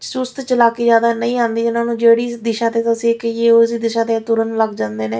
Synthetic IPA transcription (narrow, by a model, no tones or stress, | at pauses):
sʊst̪t͡ʃəlaːkeːd͡ʒjaːd̪aːnəĩːãːnd̪iːd͡ʒɪnãːnũːd͡ʒeːɽiːsd̪ɪʃãːt̪eːt̪asĩːkieːosiːd̪ɪʃãːt̪eːt̪ʊɾənləɡd͡ʒãːnd̪eːneː